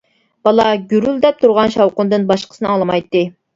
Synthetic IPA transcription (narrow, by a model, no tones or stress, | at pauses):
b̥ɑlˠɑɡʲyɾyld̪ɛp̚t̪ʰuɾʁɑnʃɑwqʊnd̪ɨnbɑʃqə̥sɨnɨɑlˠɨmɑjt̪ːɨ